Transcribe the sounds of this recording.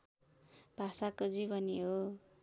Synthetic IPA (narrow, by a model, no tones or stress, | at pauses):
bʱasakod͡zibʌniɦo